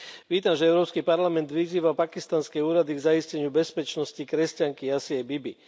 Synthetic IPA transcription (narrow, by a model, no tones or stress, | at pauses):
ʋiːt̪amʒɛɛʊɾɔːpskipaɾlamɛnd̪ʋiziːʋapakist̪anskɛuːɾad̪iɡzaiscɛɲɪubɛspɛt͡ʃnɔscikɾɛscaŋkijasiabibi